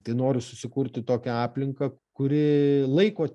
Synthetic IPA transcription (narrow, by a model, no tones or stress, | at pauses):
t̪ɐɪnoːɾʲɪsʊsʲɪkʊɾʲt̪ʲɪt̪oːkʲɛɑːpʲlʲɪŋkɐkʊɾʲɪlˠɐɪkoː